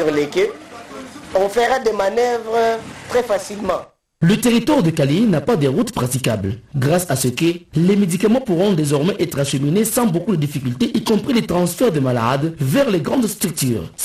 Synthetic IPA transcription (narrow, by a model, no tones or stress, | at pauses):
ʁlekø | ɔ̃fəʁad̪emanœvʁət̪ʁɛfasilmɑ̃ | lət̪eʁit̪waʁd̪əkalinapad̪eʁut̪pχat̪ikablɡʁasasəkəlemed̪ikamɑ̃puʁɔ̃d̪ezɔʁmɛʔɛt̪χaʃeminesɑ̃bokud̪əd̪ifikylt̪eʔikɔ̃pχilet̪χɑ̃sfɛʁd̪emala̰d̪vɛʁleɡʁɑ̃d̪st̪ʁyk̚t̪y̰ːʁ